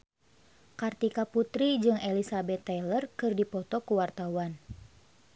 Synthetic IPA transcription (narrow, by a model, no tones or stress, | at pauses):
kart̪ikaput̪ɾid͡ʒɨŋelisabɛt̪ːɛlərkɨrdipɔt̪ɔkuwart̪awan